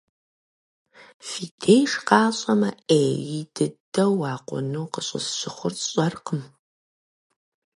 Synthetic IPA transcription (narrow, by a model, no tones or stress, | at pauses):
fiːdʰejʂqɑːɕʼɐmɐeːjid̥ɨdɐwɑːqʷɔ̰nuːqəɕʼɪ̰zɕɪχʷʊrɕʼɐrqəm